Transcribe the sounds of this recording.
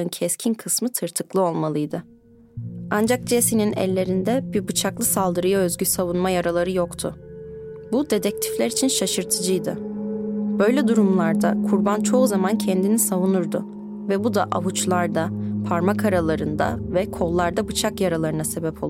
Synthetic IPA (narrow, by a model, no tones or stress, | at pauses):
ɯncʰɛscʰinkʰɯsmɯt̪ʰɯɾt̪ʰɯklˠɯo̞lˠmalˠɯjd̪ɯ | and͡ʒak̚d͡ʒesininɛ̰lʲːe̞ɾind̪ɛbiɾbɯt͡ʃʰaklˠɯsalˠd̪ɯɾɯjaø̞zɟysavunmajaɾalˠaɾɯjokt̪ʰʊ | bud̪e̞d̪ɛc̚t̪ʰi̥flʲæɾit͡ʃʰinʃaʃɯɾt̪ʰɯd͡ʒɯjd̪ɯ | b̥ø̞jlʲɛd̪uɾumlˠaɾd̪akʰuɾbant͡ʃʰo̞uzamancʰɛnd̪inisavunuɾd̪ʊ | vɛbud̪aʔaβut͡ʃlˠaɾd̪apʰaɾmakʰaɾalˠaɾɯnd̪a̰vɛkʰo̞lˠːaɾd̪abɯt͡ʃʰakjaɾalˠaɾɯnase̞bɛpʰo̞lˠ